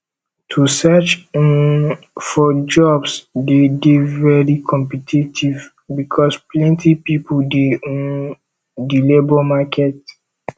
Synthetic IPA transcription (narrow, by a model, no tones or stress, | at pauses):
tʰusɛt͡ʃn | fɔd͡ʒɔbsdedevɛɹikʰɔ̃mpitʰitʰiv | bikʰɔsplɛ̃ntʰipipudeɔ̃n | dilebɔmakʰɛt